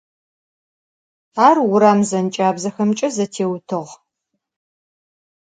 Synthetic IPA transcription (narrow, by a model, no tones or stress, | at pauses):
aːrwʊɾaːmzɐnt͡ʃʼaːbzɐxɐmt͡ʃʼɐzɐtʰeːwtʰɨʁ